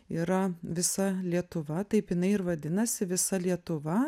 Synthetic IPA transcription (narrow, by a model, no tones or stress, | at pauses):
iːɾɐʋʲɪsɐlʲiɛt̪ʊʋɐt̪ɐɪpjɪnɐɪɪɾʋɐd̪ʲɪnɐsʲɪʋʲɪsɐlʲiɛt̪ʊʋɐ